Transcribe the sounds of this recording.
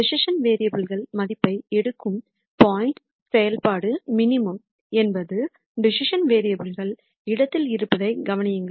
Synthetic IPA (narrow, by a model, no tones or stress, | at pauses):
ɖɪsɪʂɐnʋeːɾɪjɐbɪɭɣɐɭmɐðɪpːɐɪɛɽɯkːɯm | paːjɪɳʈ | sɛjɐlpaːɽɯmɪnɪmɯm | ɛnbɐðɯ | ɖɪsɪʂɐnʋeːɾɪjɐbɪɭɣɐɭ | ɪɽɐt̪ːɪlɪɾɯpːɐðɐɪɡɐʋɐnɪjɯŋɡɐ